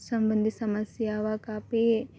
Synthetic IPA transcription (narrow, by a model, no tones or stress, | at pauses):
sɐmbɐnd̪ʱisɐmɐsjaːʋakaːpe